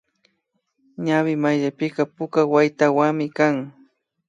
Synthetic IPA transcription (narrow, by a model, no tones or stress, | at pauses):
ɲawɪmajʎapɪqɑpʊkawajt̪awamɪkaŋ